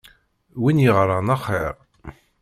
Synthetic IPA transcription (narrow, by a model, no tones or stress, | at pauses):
winjəʁɾˤɑnɑχeɾ